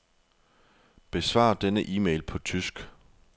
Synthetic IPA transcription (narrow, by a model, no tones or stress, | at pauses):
b̥e̝sʋɑ̰̈ːd̥enəʔiːmeɪlpʰɒ̽t͡sʰysɡ̥